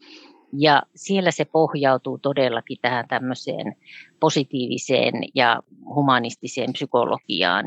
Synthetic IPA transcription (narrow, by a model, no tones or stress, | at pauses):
jɑsielːæsepohjɑut̪uːt̪odelːɑkit̪æhænt̪æmːøsḛːnposit̪iːʋḭsḛːnjɑ̰humɑnist̪isḛːmpsykolo̰kḭɑ̰ːn